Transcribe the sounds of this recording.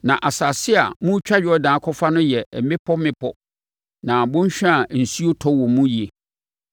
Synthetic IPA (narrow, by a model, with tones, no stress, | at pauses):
nã˨ʔa˨saː˨sɪ˦a̰˨mũ˦t͡ɕᶣa˦ɥɪ˨ɔ˦dãː˨˦kʰɔ˦fa˦nʊ̃˦jɛ˨mɪ̃˦pʰɔ˦mɪ̃˦pʰɔ˦ | nã˨bʊ̃˦ɲ˦ɕᶣã˦a˨n̩˨si˦o˦tʰɔ˦wɔ̃˨mũ˦ji˨e˨